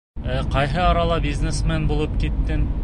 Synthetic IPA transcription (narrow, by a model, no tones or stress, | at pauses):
æqɑjɦɤɑɾɑlˠɑbʲiznesmænbulˠɤp̚kit̪ːɘn